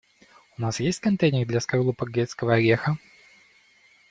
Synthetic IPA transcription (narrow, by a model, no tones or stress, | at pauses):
ʊnasjesʲtʲkɐnt̪ejnʲɪrd̪lʲɐskɐrlˠupɐɡɾʲet̪skəvəɐɾʲexə